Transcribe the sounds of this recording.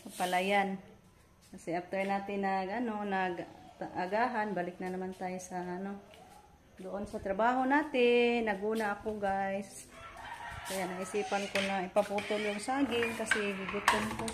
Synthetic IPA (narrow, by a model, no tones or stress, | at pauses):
sapalajan | kasɪʔap̚t̪onaːt̪ɪnaɡanonaɡ̪aʔaɡaɦanbaːlɪk̚nanamant̪ajsaʔano | d̪ʊʔʊnsat̪ɾabaːɦonaːt̪ɪnaɡuːnaʔakoɡajs | kajaʔnaɪsiːpankonaipaput̪ʊljʊŋsaːɡɪnkasɪɡɪɡʊt̪ʊnko